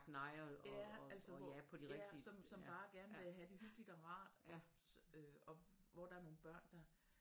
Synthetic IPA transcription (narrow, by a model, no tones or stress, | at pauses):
ɡ̥nɑ̈ɪɐjææl̰səæpʰɒ̽d̥iʁɛɡ̥isɒ̽msɒ̽mb̥ɑ̈ːɡ̥æɐnəʋe̝æɦæd̥e̝ɦyɡ̥lid̥ɒʁɑ̰̈ːd̥ɒ̽ | øɒ̽ʋɒd̥ɑ̈æɐno̝ːn̩b̥ɶɐ̰nd̥ɑ̈